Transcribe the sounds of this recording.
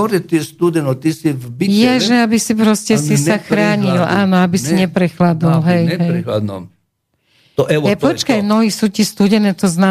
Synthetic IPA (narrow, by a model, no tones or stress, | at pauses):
ɔɾɛt̪iɛst̪ud̪ɛnɔt̪isivbijɛʒɛabisipɾɔscɛsisaxɾaːɲilaːnɔabisiɲɛpɾɛxlad̪ɔlɦɛjɦɛjad̪ | t̪ɔʔɛɛpɔt͡ʃkajnɔɦisuːcist̪uɟɛnɛt̪ɔzna